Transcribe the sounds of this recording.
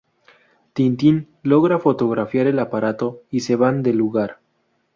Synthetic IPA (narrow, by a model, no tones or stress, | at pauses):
t̪int̪in | lo̞ɣɾafo̞t̪o̞ɣɾafjaɾe̞lapaɾat̪o̞ise̞βand̪e̞luɣaɾ